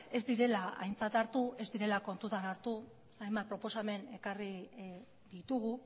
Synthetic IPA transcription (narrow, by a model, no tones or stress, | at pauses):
e̞zd̪iɾe̞laa̰jnt͡sat̪aɾt̪ue̞zd̪iɾe̞lako̞nt̪ut̪anaɾt̪u | sajmbat̪̚pɾo̞po̞same̞ne̞kari | ðit̪uɣ̞u